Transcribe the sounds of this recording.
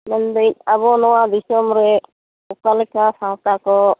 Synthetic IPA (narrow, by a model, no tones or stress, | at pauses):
mɛnd̪əɲabɔnɔwad̪isɔmɾɛ | ukalɛkasawt̪akɔ